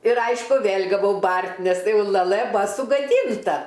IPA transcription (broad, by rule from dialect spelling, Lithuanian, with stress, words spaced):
ɪr ˈɐɪʃkʊ ˈʋʲeːlʲ ɡɐˈʋɐʊ ˈbɐrʲtʲ nʲɛs jɛʊ lˠɐˈlˠɘ ˈbʊɐ sʊɡɐˈdʲiːntɐ